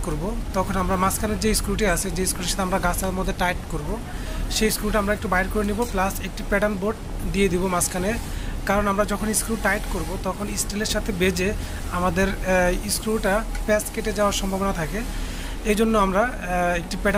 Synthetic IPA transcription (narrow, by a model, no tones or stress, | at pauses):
koɾbot̪ɔkʰonamɾamaskʰaneɾd͡ʑeskuʈ̬iat͡ɕʰed͡ʑeskɾuʈiʃḁt̪ʰamɾaɡasamod̪ʱːeʈajʈkoɾbo | ʃejskulʈaamɾaek̚ʈubaeɾkoɾeniboplasek̚ʈipɛɖanboɖ | ɖied̪ibomaskʰanekaɾonamɾad͡ʑɔkʰoniskɾuʈajʈkoɾbot̪ɔkʰonisʈeleɾʃat̪ʰebed͡ʑe | amad̪eɾiskulʈapɛskeʈed͡ʑaoaɾʃɔmbʱabonat̪ʰake | ejd͡ʑonːoamɾa | ek̚ʈipɛɖ